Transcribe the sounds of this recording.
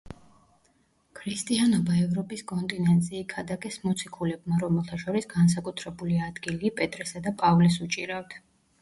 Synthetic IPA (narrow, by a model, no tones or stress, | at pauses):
kʰɾist̪ʼianɔbaɛvɾɔpʼiskʼɔnt̪ʼinɛnt̪sʼiːkʰad̪akʼɛsmɔt̪sʰikʰulɛbmaɾɔmɛlˠt̪ʰaʃɔɾisɡans̬akʼut̪ʰɾɛbuliad̪ɡiliːpʼɛt̪ʼɾɛsad̪apʼavlɛsut͡ʃʼiɾaft̪ʰ